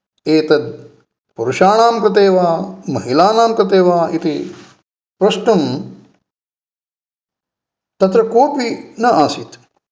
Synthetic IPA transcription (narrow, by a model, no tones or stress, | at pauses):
eːt̪ɐd̪̚ | puɾuʃaːnaːmkɾɐt̪̬eːʋaːmɐɦilaːnaːmkɾɐt̪eːʋaːʔit̪i | pɾɐʃʈɐm | t̪ɐt̪ɾɐkoːpinɐʔaːsit̪